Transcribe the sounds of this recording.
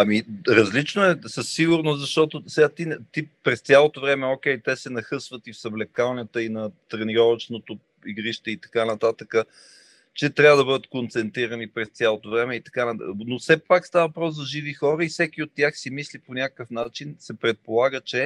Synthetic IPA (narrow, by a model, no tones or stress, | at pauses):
ɐmiɾɐzlit͡ʃnoɛsəsːiɡʊɾnoszɐʃt̪ɔt̪osɛɡat̪int̪ipɾɛst̪ʲjalˠot̪ovɾɛmɛokʲɛjt̪ɛsɛnɐxɤsvət̪ifsɐblɛkalˠnʲət̪əinɐt̪ɾɛniɾɔvət͡ʃnot̪o | iɡɾiʃt̪ɛit̪ɐ̥kanɐt̪at̪əkə | t͡ʃɛt̪ɾʲavəd̪ɐbɤd̪ət̪kont̪sɛnt̪ɾiɾənipɾɛst̪sʲjalˠot̪ovɾɛmɛit̪ɐ̥kanɐnofsɛpakst̪avəvɐpɾɔszɐʒivixɔɾəifsɛkʲiot̪ːʲaxsimisliponʲakəkəfnat͡ʃinsɛpɾɛt̪̚polˠaɡət͡ʃɛ